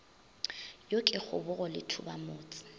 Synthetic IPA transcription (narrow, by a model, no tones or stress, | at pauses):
jokʼɛk͡xʊ̰bʊɣɔlɪ̰tʰʊba̰moːt͡sʼɪ̥